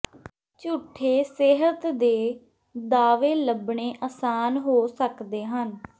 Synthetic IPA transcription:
t͡ʃʊʈʰːeːseɦət̪d̪eː | d̪aːʋeːləbɳeːʔaːsaːnɦoːsəkd̪eːɦən

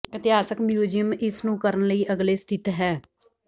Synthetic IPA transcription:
ɪt̪ɪɦaːsəkmjuːd͡ʒijəmɪsnũːkəɾənləiːʔəɡleːst̪ʰɪt̪ɦɛː

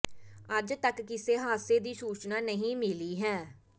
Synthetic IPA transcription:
əd͡ʒt̪əkːɪseːɦaːseːd̪iːsuːt͡ʃnaːnəɦĩːmɪliːɦɛː

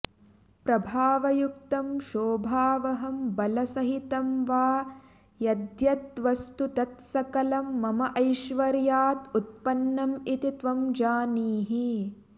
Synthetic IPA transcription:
pɾɐbʱaːʋɐjukt̪ɐmʃoːbʱaːʋɐɦɐmbɐlɐsɐɦit̪ɐmʋaː | jɐd̪jɐt̪ʋɐst̪ut̪ɐt̪sɐkɐlɐmːɐmɐʔɐjʃʋɐɾjaːt̪ut̪̚pɐnːɐmit̪it̪ʋɐmd͡ʒaːniːɦi

